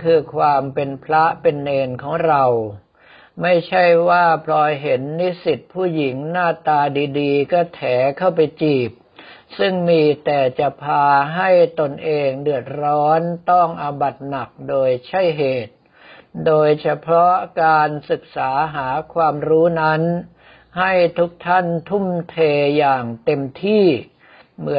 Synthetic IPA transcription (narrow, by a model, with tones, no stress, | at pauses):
kʰɯː˧kʰwaː˧mpe˧npʰɾa˦˥pe˧nːeː˧nkʰɔː˩˦ŋɾa˧w | ma˥˩jt͡ɕʰa˥˩jwaː˥˩pʰlɔː˧jɦe˩˦nːi˦˥si˨˩t̪̚pʰuː˥˩ji˩˦ŋnaː˥˩t̪aː˧diː˧diː˧kɔː˥˩t̪ʰɛː˩˦kʰa˥˩wpa˧jt͡ɕiː˨˩p̚sɯ˥˩ŋmiː˧t̪ɛː˨˩t͡ɕa˨˩pʰaː˧ɦa˥˩jt̪o˧nʔeː˧ŋdɯ˨˩ət̪̚ɾɔː˦˥nt̪ɔ˥˩ŋʔa˧ba˨˩t̪̚na˨˩k̚doː˧jt͡ɕʰa˦˥˩jɦeː˨˩t̪̚ | doː˧jt͡ɕʰa˧pʰɾɔ˦˥kaː˧nsɯ˨˩k̚saː˩˦ɦaː˩˦kʰwaː˧mɾuː˦˥na˦˥n | ha˥˩jt̪ʰu˦˥k̚t̪ʰa˥˩nt̪ʰu˥˩mt̪ʰeː˧jaː˨˩ŋt̪e˧mt̪ʰiː˥˩ | mɯ˩˦